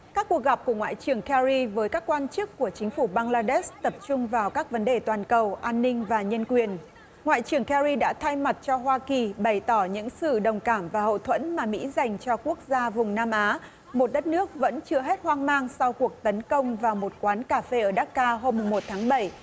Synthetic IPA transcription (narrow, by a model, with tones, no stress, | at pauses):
kaː˦˥kːu˨˩ək̚ɣa˨˩p̚ku˧˩əŋwa̰ː˧˨jt͡ɕɨ˨˩əŋkɛ˧ɾi˧vəː˨˦jkaː˦˥kːwaː˧nt͡ɕɨ˦˥kːu˧˩ət͡ɕï˨˦ŋ̟fu˧˩ɓaː˧ŋlaː˧ɗe˦˥st̪ə˨˩p̚t͡ɕʊ˧ŋ͡mvaː˨˩wkaː˦˥k̚və˨˦nɗe˨˩t̪waː˨˩nkə˨˩wʔaː˧nːï˧ŋ̟vaː˨˩ɲə˧nkwi˨˩ən | ŋwa̰ː˧˨jt͡ɕɨ˨˩əŋkɛ˧zi˧ɗa̰ː˧˥t̪ʰa˧jma˨˩t̚t͡ɕɔ˧ɦwaː˧ki˨˩ɓə˨˩jt̪ɔ˧˩ɲɨ̰˧˥ŋsɨ̰˧˨ɗə˨˩wŋ͡mkaː˧˩mvaː˨˩hə̰˧˨wt̪ʰwə̰˧˥nmaː˨˩mḭ˧˥za˨˩jŋ̟t͡ɕɔ˧ku˦˥ək̚zaː˧vʊ˨˩ŋ͡mnaː˧mʔaː˨˦ | mo˨˩t̚ɗə˦˥t̚nɨ˦˥ək̚və̰˧˥nt͡ɕɨ˧əɦe˦˥t̚hwaː˧ŋmaː˧ŋsa˧wku˨˩ək̚t̪ə˨˦nkə˧wŋ͡mvaː˨˩wmo˨˩t̚kwaː˨˦nkaː˧˩fe˧ʔəː˧˩ɗaː˦˥t̚kaː˧ɦo˧mːʊ˨˩ŋ͡mmo˨˩t̚t̪ʰaː˨˦ŋɓə˧˩j